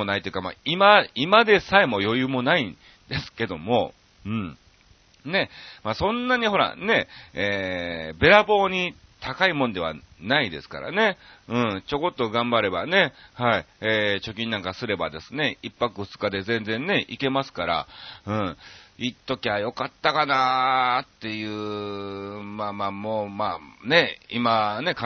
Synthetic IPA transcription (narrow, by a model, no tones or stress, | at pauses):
onait̪ojɯ̟kama̰imaimad̪e̞saemo̞jo̞jɯ̟ːmo̞nai | d̪e̞sɨ̥ke̞d̪o̞mo̞ | ɯ̟̃ɴ | ne̞maːsõ̞nːaɲ̟iɦo̞ɾa̰ne̞eːbe̞ɾabo̞ːɲ̟i | t̪ʰakaimõnd̪e̞βa̰naid̪e̞sɨ̥ka̰ɾa̰ne̞ɯ̟̃ɴt͡ɕo̞ko̞t̪ːoɡãmbaɾe̞bane̞haieːt͡ɕo̞k̬ʲĩnːãŋkasɨɾe̞ba̰d̪e̞sɨne̞ipːakɯɸɯ̟̥t͡sɨ̥kad̪e̞zẽ̞nd͡zẽ̞nne̞ʔike̞masɨ̥kaɾa̰ɯ̟̃iːt̪ːo̞kʲiajo̞kat̪ːakanat̪ːe̞jɯː | maːmaːmoːmane̞imane̞k